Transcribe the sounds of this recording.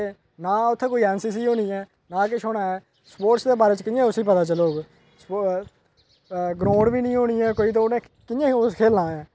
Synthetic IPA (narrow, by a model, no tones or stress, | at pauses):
e | naːʊt̪ʰːeːkoːiːɛːnsiːs̬iːɦoːniːɛː | nãːk̬ɪʃɦoːnaːɛː | spoːɾsd̪eːbaːɾeːt͡ʃkɪãːʊsiːpət̪aːt͡ʃəloːɡ | s | ɡɾõːɖbiːnəĩːɦoːɽiːɛːkoːiːt̪̬õːnẽː | kɪjãːoskʰeːlãːɛ̃ː